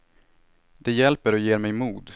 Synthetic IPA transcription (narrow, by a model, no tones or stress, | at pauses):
d̪ɛjɛlpəɾɔjeːɾmɛjmuːd̪